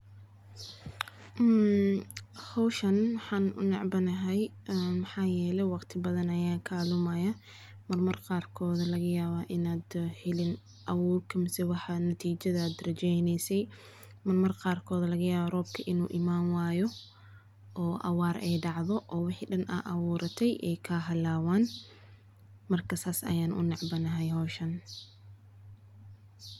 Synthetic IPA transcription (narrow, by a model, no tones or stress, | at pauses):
hɔwʃɐnmɑħɑːnʊ̰nɑ̰ʕbɐnɐɦɛj | mħɑːjɛːlɛjwɑqt̪ʰɪbɐðɐnɐjaːkʰaːlʊmɐjɐ | mɐrmɐrqɑːrkʰɔːðɐlɐɣɐjaːβaʔɪnaːd̪hɪlɪn | ʔɐwuːlkʰɐmsɛwɑħɑnɐt̪ʰiːt͡ʃɐðːd̪rɐt͡ʃɛjnɛjsɛj | mɐrmɐrqɑːrkʰɔːðɐlɐɣɐjaːβɐrɔːb̚kʰɐʔɪnṵːʔɪmaːnwaːjɔ | ʔɔːʔɐ̰waːɾʔɛjɖɑʕðɔʔɔːwɪħiɖɐnʔɐ̰ːʔɐwuːɾɐt̪ʰɛjʔɛjkʰɐɦɐlaːwaːn | mɐrkʰɐsaːsɐ̰jaːnʔʊ̰nɑʕbɐnɐɦɛjɦɔːʃɐn